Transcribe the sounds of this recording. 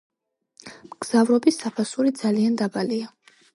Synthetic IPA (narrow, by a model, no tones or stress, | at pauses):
mɡ̥z̥avɾɔbisːapʰasuɾid̪zaliand̪abalia